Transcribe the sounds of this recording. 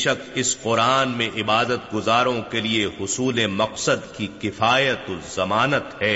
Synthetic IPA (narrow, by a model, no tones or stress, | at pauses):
ʃɐkɪsqʊɾaːnmẽʔɪbaːd̪ət̪̚ɡʊzaːɾõkeliehʊsuːlemɐqsəd̪kikɪfaːjət̪ozɐmaːnət̪ɦɛː